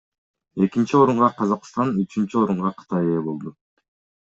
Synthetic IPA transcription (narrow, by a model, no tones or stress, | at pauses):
e̞kint͡ʃio̞ɾuɴʁɑqʰɑzɑqst̪ɑnyt͡ʃynt͡ʃyo̞ɾuɴʁɑqʰɯ̥t̪ɑjeebo̞lˠd̪u